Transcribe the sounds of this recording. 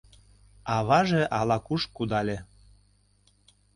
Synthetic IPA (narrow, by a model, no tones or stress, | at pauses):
ɑβɑʒeʔɑlɑkuʃkud̪ɑlʲe